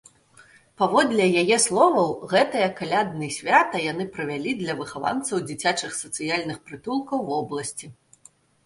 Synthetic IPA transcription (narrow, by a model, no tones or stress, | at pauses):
pavɔd̪lʲɛjajɛslˠɔvɐwɣɛt̪ɨjɐkalʲad̪nɨjsʲvʲat̪ɐjan̪ɨpɾɐvʲalʲid̪lʲɐvɨxava̰nt̪sɐwd͡zʲit͡sʲat͡ʂɨxsɐt̪sɨjalʲnɨxpɾɨt̪ulˠkɐwvɔblˠɐsʲt͡sʲi